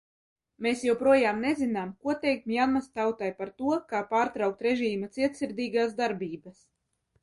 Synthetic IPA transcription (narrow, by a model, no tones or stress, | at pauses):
meːsjɛwpɾuɔjaːmnezinaːmkuɔt̪ɛjk̚t̪mjanmast̪awt̪ajpaɾt̪uɔkaːpaːɾt̪ɾawk̚t̪ɾeʒiːmat̪siɛt̪siɾd̪iːɡaːsd̪aɾbiːbas